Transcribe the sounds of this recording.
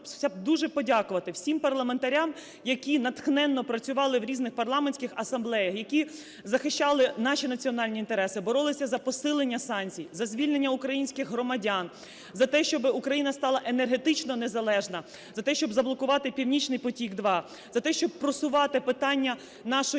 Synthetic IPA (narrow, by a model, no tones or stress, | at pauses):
sʲab̚d̪uʒɛpɔdʲakʊʋɐt̪ɪwsʲimpɐrlˠɐment̪ɐɾʲam | jɐkʲinɐt̪xnɛnːɔpɾɐt͡sʲʊʋɑlˠɪwɾʲiznɪxpɐrlˠɑmenʲsʲkɪxɐsɐmblˠɛjɐxjɐkʲi | zɐxɪʃt͡ʃɑlˠɪnɑʃinɐt͡sʲiɔnɑlʲnʲiint̪eɾɛsɪbɔɾɔlˠɪsʲɐzɐpɔsɪlˠenʲːɐsɑnʲt͡sʲijzɐzʲʋʲilʲnenʲːɐukɾɐjinʲsʲkɪxɦrɔmɐdʲan | zɐt̪ɛʃt͡ʃɔbɪukɾɐjinɐst̪ɑlˠɐʔenerɦe̞t̪ɪt͡ʃnɔnezɐlˠɛʒnɐ | zɐt̪ɛʃt͡ʃɔbzɐblˠɔkʊʋɑt̪ɪpʲiwnʲit͡ʃnɪjpɔtʲiɡd̪ʋɑ | zɐt̪ɛʃt͡ʃɔb̚pɾɔsʊʋɑt̪ɪpɪt̪ɑnʲːɐ | nɑʃɔ